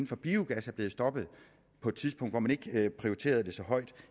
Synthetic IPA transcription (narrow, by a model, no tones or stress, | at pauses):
n̩fɒ̽b̥iuɡ̥æsæɐb̥le̝ːð̩ˠsd̥ɒ̽b̥ð̞̩ˠ | pʰɒ̽e̝d̥t͡sʰiðsb̥ɔ̽ŋ̰d̥ʋɒmæne̝ɡ̥pʰʁio̝it͡sʰe̝̰ːɐð̞ˠd̥e̝sɒ̽ɦɒ̽ɪ̰d̥